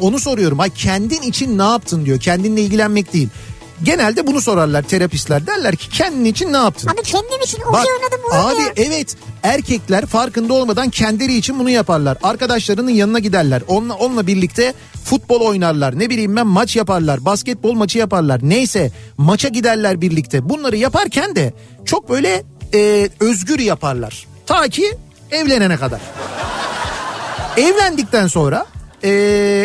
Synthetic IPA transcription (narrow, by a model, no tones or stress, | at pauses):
o̞nuso̞ɾujo̞ɾumacʰɛnd̪init͡ʃʰinːaːp̚t̪ʰɯnd̪ijo̞cʰɛnd̪inlʲɛilʲɟʲilʲænmɛc̚d̪ejilʲ | ɟe̞nælʲd̪ɛbunuso̞ɾaɾlˠaɾt̪ʰe̞ɾapist̪lʲæɾd̪æɾlʲæɾcʰi̥cʰɛnd̪init͡ʃʰinːaːp̚t̪ʰɯɛnd̪nt͡ʃinbad̪aiɛvɛt̪æɾcʰɛclʲæɾfaɾkɯnd̪ao̞lˠmad̪ancʰɛnd̪lʲe̞ɾiːt͡ʃʰinbunujapaɾlˠaɾaɾkad̪aʃlˠaɾɯnɯnjanɯnaɟid̪æɾlʲæɾonˠao̞nlˠabiɾlʲic̚t̪ʰɛ | fut̪̚bo̞lˠo̞jnaɾlˠaɾnebilʲijmbænmat͡ʃjapaɾlˠaɾbascɛt̪̚bo̞lˠmat͡ʃʰɯjapaɾlˠaɾnejsɛmat͡ʃʰaɟid̪æɾlʲæɾbiɾlʲict̪ʰɛbunlˠaɾɯjapaɾcʰænd̪ɛ | t͡ʃʰo̞k̚bø̞jlʲɛ | ɛːø̞zɟyɾjapaɾlˠa̰ɾ̥ | t̪ʰaːcʰi | ɛvlʲe̞nenɛkad̪a̰ɾ̥ | ɛvlʲænd̪ic̚t̪ænso̞nɾaɛː